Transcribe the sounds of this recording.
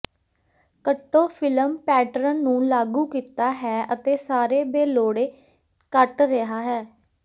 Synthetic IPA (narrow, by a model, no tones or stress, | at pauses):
kəʈːoːpʰɪləmpɛːʈəɾənnũːlaːɡuːkiːt̪aːɦɛːət̪eːsaːɾeːbeːloːɽeː | kəʈɾeɦaːɦɛː